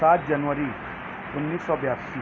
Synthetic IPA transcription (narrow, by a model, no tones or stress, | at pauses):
at̪̚ʰd͡ʒanʋəɾi | unːisːɔbjasi